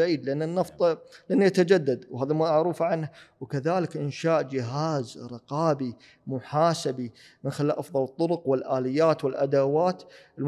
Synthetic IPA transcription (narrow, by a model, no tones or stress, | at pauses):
ʕiːd̪lɪʔanːɪnːɑft̪ˤlʔanːjat̪ad͡ʒad̪ːad̪whaːðamuaʕɾuːfʕanhawkaðaːlɪkʔɪnʃaːʔd͡ʒɪɦaːzɾˤɨqɑːbi | mʊħaːsabi | mɪnxɪlaːlʔɑfðˤɑlɨt̪ˤːʊɾʊqwɪlʔaːlɪjːaːt̪wɪlʔa̰d̪awaːt̪ɪl